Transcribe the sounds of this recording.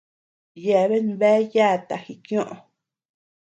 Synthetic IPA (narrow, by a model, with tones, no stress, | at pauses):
je˧˨βe˦n˦βe˦ja˦˨t̪a˨hi˨kj̃õ˦ʔõ˨˧